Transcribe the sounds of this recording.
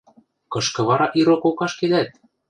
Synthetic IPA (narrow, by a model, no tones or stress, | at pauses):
kɤ̆ʃkɤ̆βɑɾɑʔiɾokokɑʃked̪æt̪̚